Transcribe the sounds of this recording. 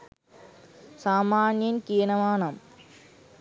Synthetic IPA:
saːmaːnjɐnkijnɐmaːnɐm

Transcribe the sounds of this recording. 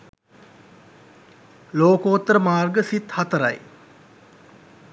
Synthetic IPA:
loːkoːt̪ːəɾəmaːrɡəsit̪hat̪əɾa̰j

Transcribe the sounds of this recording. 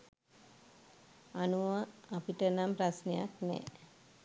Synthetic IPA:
anuʋəapiʈənampɾasnejaknɛ̰ː

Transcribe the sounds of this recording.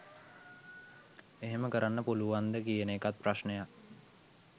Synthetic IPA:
eɦeməkəɾanːəpuluʋand̪əkijəneːkat̪̚praʃnejak

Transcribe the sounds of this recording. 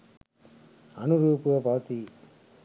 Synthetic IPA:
ɐnuɾuːpuʋɐbʱɐʋɐt̪i

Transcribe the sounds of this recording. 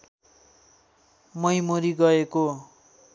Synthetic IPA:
mʌjmoɾiɡʌeko

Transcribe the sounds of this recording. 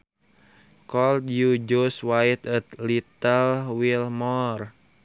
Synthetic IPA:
kɔlt̪jud͡ʒuswait̪ət̪lit̪əlwilmɔr

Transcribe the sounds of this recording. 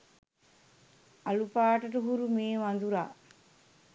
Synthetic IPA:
ɐlupaːʈɐʈuɦuɾumeːʋɐnd̪uɾa̰ː

